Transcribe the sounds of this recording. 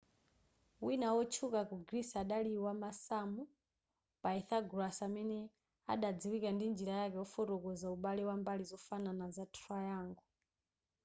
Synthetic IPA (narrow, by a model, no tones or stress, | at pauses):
winawɔt͡ʃʰukakuɡɾisaɗaliwamasamu | paiθaɡɾasamɛnɛ | a̰ɗad͡ziwikandind͡ʒiɾajakɛɔfɔɾɔkɔzauɓalɛwambalizɔfananazatʰuajaːŋɡɔ